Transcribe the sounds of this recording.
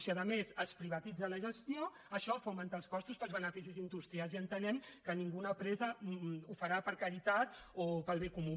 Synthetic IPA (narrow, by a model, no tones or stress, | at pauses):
siaðəmezəspɾiβ̞ət̪id͡zələʒəst̪jo | əʃɔfɐwmənt̪alˠskɔst̪uspəlˠzβənəfisizind̪ust̪ɾialˠziənt̪ənɛmkəniŋɡunəpɾɛzəufəɾapəɾkəɾit̪at̪opəlˠβekumu